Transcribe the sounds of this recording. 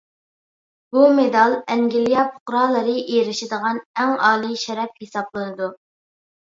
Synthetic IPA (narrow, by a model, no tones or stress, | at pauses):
b̥umed̪ɑlˠɛŋɡʲilijɑpʰʊ̥qɾɑlˠəɾɨʔeɾɪʃɪd̪əʁɑnæŋɑːlˠiʃɛɾɛp̚hesɑblˠɨnɨd̪u